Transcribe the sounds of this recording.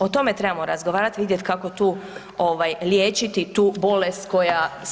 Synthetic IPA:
ot̪o̞me̞t̪ɾe̞bamo̞ɾazɡoʋaːɾat̪ʋid̪je̞t̪kako̞t̪uː | oʋajljeːt͡ʃit̪it̪uːbo̞lest̪ko̞ja

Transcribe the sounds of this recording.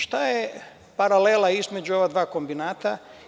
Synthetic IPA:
ʃt̪aje | paɾaleːlaizme̞d͡ʒuo̞ʋad̪ʋaːko̞mbinaːt̪a

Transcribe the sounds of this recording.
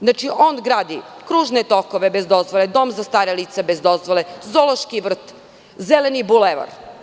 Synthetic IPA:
znat͡ʃiʔo̞ːnɡɾaːd̪ikɾuːʒnet̪okoʋebezd̪o̞zʋolˠed̪o̞mzast̪aːɾeliːt̪sebezd̪o̞zʋolezoloʃkiʋr̩t̪ | zelenibuleʋa̰ɾ

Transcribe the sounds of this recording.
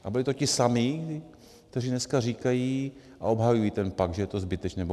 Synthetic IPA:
ʔabɪlɪt̪ocɪsamiː | k̚t̪ɛriːdnɛskariːkajiː | ʔa̰o̞bɦajujiːt̪ɛnpaɡ̚d̪ʒɛjɛt̪o̞zbɪt̪ɛt͡ʃnɛbo

